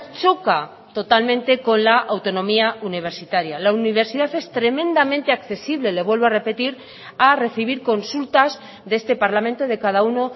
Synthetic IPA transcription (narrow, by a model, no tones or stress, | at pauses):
t͡ʃoka | t̪o̞t̪almẽ̞nt̪e̞ko̞nlaʔawt̪o̞nõ̞miauniβ̞e̞ɾsit̪aɾjalauniβ̞e̞ɾsiðaθe̞st̪ɾe̞mẽ̞nd̪amẽnt̪e̞akθe̞siβlele̞βwe̞lβoare̞pe̞t̪iɾ | are̞θiβ̞iɾko̞nsult̪az | ðee̞st̪e̞paɾlamẽnt̪oðe̞kaðauno̞